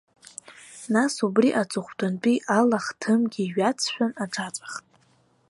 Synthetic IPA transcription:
nasubriʔat͡sʼʊχʷdant͡pʼiʔalaχtʰɨmɡʲiːɥat͡sʰʃᶣanaʈ͡ʂʰat͡sʷʼḁχtʼ

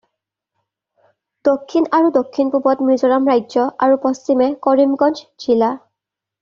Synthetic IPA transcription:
d̥okʰːinaɹudokʰːinpubɔtmɹizɔɹamɹajzɔʔaɹupɔstimɛkɔɹimɡɔnd͡ʒd͡ʒʰila

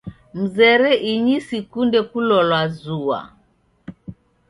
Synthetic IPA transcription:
m̩zɛɾɛʔiɲisikundɛkulɔlwazuwa̰

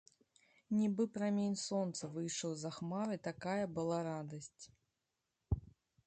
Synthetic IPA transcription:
nʲibɨpɾamʲenʲsɔnt̪sɐvɨjʂəwzɐxmaɾɨt̪akajɐbɨlˠaɾad̪ɐsʲt͡sʲ

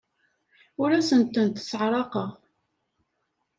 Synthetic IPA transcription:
ʊɾæsənt̪ənt̪sʕɾˤɑqɑ

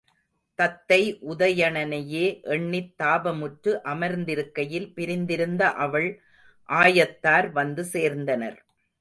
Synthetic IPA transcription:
t̪ɐt̪ːɐɪʔʊðɐjɐɳɐnɐjeːʔɛɳːɪt̪ːaːbɐmʊʈɾɯʔɐmɐɾnd̪ɪɾɯkːɐjɪlpɪɾɪnd̪ɪɾɯnd̪ɐʔɐʋɐɭ | ʔaːjɐt̪ːaːɾʋɐnd̪ɯseːɾnd̪ɐnɐ̰ɾ

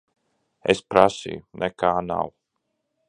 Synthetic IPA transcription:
espɾasḭjunʔɛkaːna̰w

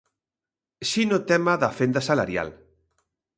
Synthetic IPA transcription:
ʃinot̪ɛmaðafend̪asala̰ɾja̰l

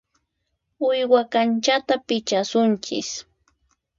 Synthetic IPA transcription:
ʊjwakant͡ʃat̪apɪt͡ʃasʊnt͡ʃɪ̰s

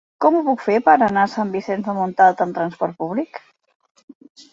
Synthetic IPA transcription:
kɔmupukfeɾpəɾənasambisɛnzəmunt̪alˠt̪əmnt̪ɾənspɔɾt̪̚puβlik

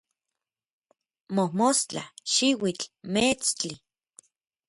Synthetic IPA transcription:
mohmost͡ɬa̰ʃiwit͡ɬmet͡st͡ɬi

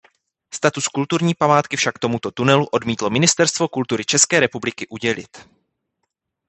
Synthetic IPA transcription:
st̪at̪uskult̪uɾɲiːpamaːt̪kɪfʃakt̪o̞mut̪o̞t̪unɛluʔo̞dmiːt̪lo̞mɪnɪst̪ɛɾst̪vo̞kult̪uɾɪt͡ʃɛskɛːɾɛpublɪkɪʔuɟɛlɪ̰t̪

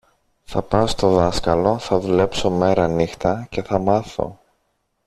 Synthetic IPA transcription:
θɐpɐst̪o̞ðɐskɐlo̞θɐðule̞pso̞me̞ɾɐnixt̪ɐce̞θɐmɐθo̰

